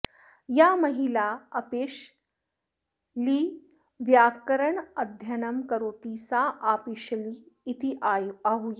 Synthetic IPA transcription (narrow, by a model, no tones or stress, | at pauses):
jamɐɦilaɐpeːʂ | liː | ʋjaːkəɾəɳəd̪ʱjɐnəmkəɾoːt̪isaʔapiʃliːt̪iʔaɦuj